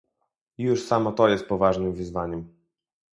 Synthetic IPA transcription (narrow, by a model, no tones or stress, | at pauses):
juʂsamɔt̪ɔjɛst̪̚pɔvaʐnɘmvɘzvaɲɛm